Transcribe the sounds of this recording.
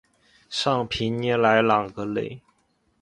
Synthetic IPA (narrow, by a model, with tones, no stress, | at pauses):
ʂɑ˥˩ŋpʰi˧˥nnjɛ˧˥nla˧˦˥ɪljɑ˨˩ŋɡə˦lḛ˧˥˩ɪ